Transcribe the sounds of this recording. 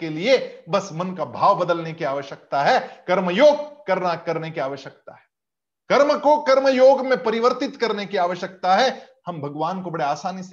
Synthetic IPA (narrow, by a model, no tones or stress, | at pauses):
keliebɐsmɐnkabʱaːʋbɐd̪əlnekiaːʋəʃjək̚t̪aɦɛkɐɾməjoːɡ̚kɐɾnakɐɾnekiaːʋəʃjək̚t̪aɦɛː | kɐɾməkokɐɾməjoːɡmẽpɐɾɪʋəɾt̪ɪt̪kɐɾnekiaːʋəʃjək̚t̪aɦɛ | hɐ̃mbʱɐɡʋaːnkobɐɽeaːsaːnis